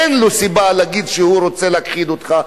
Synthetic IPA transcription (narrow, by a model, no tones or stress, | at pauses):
enlusibaleaɡid̪ʃehuɾot͡seleakχid̪ot̪χa